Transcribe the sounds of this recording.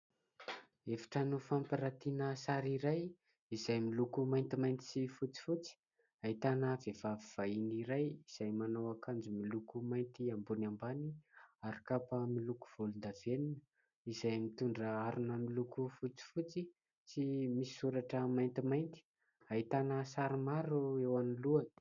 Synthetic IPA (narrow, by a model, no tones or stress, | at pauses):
efḁʈ͡ʂanufampiɾat̪inəsaɾiɾaj | izajmilukumajnt̪imajnt̪i̥sifut͡si̥fut͡si̥ | ait̪anəvevaviv̥ainiɾajiz̥ajmanowakʰand͡ʒumilukumajnt̪iambunambaniaɾikapəmiluku̥v̥olund̪aveninə | izajmit̪uɳɖ͡ʐəaɾunamilukufut͡si̥fut͡si | simisi̥suɾaʈ͡ʂəmajnt̪imajnt̪i̥ | ait̪anəsaɾimaɾuewaniluan̥